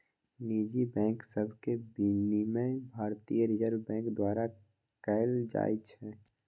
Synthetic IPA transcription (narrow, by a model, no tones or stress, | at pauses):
niːd͡ʒibɛ̃ːŋksəbʱkebinimẽbʱaːɾt̪ijəɾɪd͡ʒəɾbbɛ̃ːŋkd̪waːɾa | kɛɪld͡ʒa̰ːit͡ʃʰɛː